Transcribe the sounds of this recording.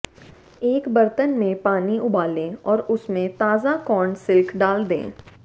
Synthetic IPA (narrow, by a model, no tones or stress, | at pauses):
eːkbɐɾt̪ənmẽpaːniʊbaːlẽːɔːɾʊsmẽt̪aːzakɔːɳsɪlkʰɖaːld̪ḛ̃ː